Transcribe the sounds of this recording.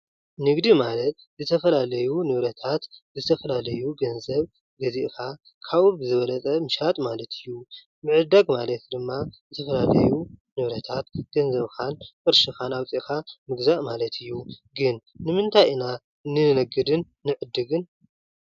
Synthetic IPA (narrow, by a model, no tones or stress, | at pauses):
nɨɡd̪imalɐt̪̚ | zɨt̪ʰɐfɐlalɐjunɨβɾɐt̪ʰat̪zɨt̪ʰɐfɐlalɐjuɡɐnzɐβ | ɡɐziʔka | kʰaβɨbɨzɨβɐlɐt͡sʼɐmɨʃat̪ʼmalɐt̪ʰɨjːu | mɨʕɨd̪ːaɡmalɐt̪d̪ɨmːazɨt̪ʰɐfɐlalɐ̰junɨβɾɐt̪ʰat̪ɡ̥ɐnzɐβkankʼɨɾʃɨxanaβt͡sʼiʔkamɨɡzaʔmalɐt̪ʰɨjːuɡɨnːɨmɨnt̪ʰajɨna | nɨnɐɡɨd̪ɨnːɨʕɨd̪ːɨɡɨn